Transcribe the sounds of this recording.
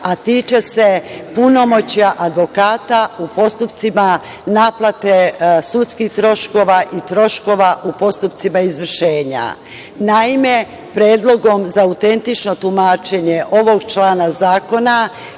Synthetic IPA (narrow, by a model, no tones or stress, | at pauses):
at̪iːt͡ʃese̞puno̞mo̞t͡ɕjaʔad̪ʋo̞kaːt̪aupo̞st̪upt̪sima | naːplˠat̪esut̪skixt̪ɾo̞ʃko̞ʋaʔit̪ɾo̞ʃko̞ʋaʔupo̞st̪upt̪simaizʋr̩ʃe̞ːɲa̰ | naime̞ | pɾeːd̪lˠo̞ɡo̞mzaut̪e̞nt̪it͡ʃno̞t̪umaːt͡ʃe̞ɲe̞ʔo̞ʋo̞ɡt͡ʃlaːnazaːko̞na